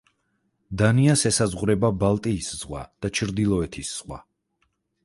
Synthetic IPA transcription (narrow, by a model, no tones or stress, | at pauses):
d̪aniasɛsazʁuɾɛbabalˠt̪ʼiːsz̥ʁwa̰d̪̥at͡ʃʰɾd̪ilˠɔɛt̪ʰisz̥ʁwa̰